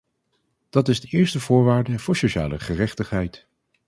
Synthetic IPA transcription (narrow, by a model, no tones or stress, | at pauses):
d̥ɑtɪzdəʔɪːɹstəvʊːɹʋaːɹdəv̥ʊːɹsoʃa̰ːlə̰χərɛχtəχɦɛjt